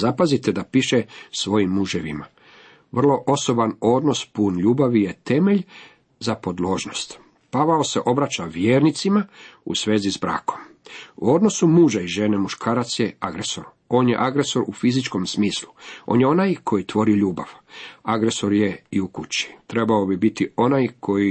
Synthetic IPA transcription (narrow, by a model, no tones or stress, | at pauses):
zapazit̪ed̪apiʃesʋo̞jimːuʒeʋima | ʋr̩lˠo̞ʔo̞so̞bano̞d̪no̞spuːnʎuːbaʋije̞t̪e̞me̞ʎ | zapo̞d̪lo̞ːʒno̞st̪ | paʋaose̞ʔo̞bɾat͡ʃaʋjeːɾnit̪simaṵsʋe̞ːzizbɾa̰ːkʰo̞̥muo̞d̪no̞sumuːʒaiʒe̞nemuʃkʰaːɾat̪sjeaɡɾeso̞ɾ | o̞ːnje̞̰ʔaɡɾe̞so̞ɾufizit͡ʃko̞msmiːsluʔoːnjeo̞najkʰo̞jit̪ʋo̞ɾiʎuːbaʋaɡɾe̞so̞ɾje̞iukut͡ɕi̥t̪ɾe̞baobibit̪io̞najkʰo̞ji